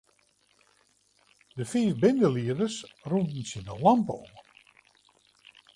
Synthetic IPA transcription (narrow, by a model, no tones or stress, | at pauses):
dəfiːfbɪndəliədəsrundn̩sinəlampəom